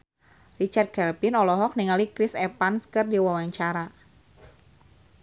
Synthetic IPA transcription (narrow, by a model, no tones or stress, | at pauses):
rit͡ʃart̪̚kɛlpinɔlɔɦɔk̚niŋalikɾisɛpanskɨrdiwawaɲt͡ʃaɾa